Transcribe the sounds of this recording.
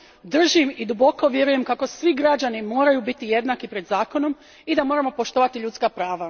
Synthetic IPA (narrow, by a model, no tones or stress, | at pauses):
d̪r̩ʒimid̪ubo̞ko̞ʋje̞ɾuje̞mkako̞sʋiɡɾad͡ʑanimo̞ːɾajubit̪ije̞d̪nakipɾe̞d̪zaːko̞no̞m | id̪amo̞ːɾamo̞po̞ʃt̪o̞ʋat̪iʎut̪skapɾaːʋa